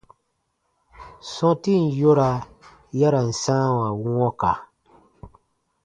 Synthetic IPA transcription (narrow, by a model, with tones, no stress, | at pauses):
sɔ̃˦ti˦˨n˨jo˦ɾa˨ | ja˦ɾa˨n̩˨sã˦wa˨wu˦ŋɔ˦ka˨